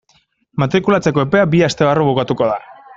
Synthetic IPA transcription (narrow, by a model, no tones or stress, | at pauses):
mat̪ɾikulat͡se̞ko̞epe̞abiast̪e̞βaruβukat̪uko̞ða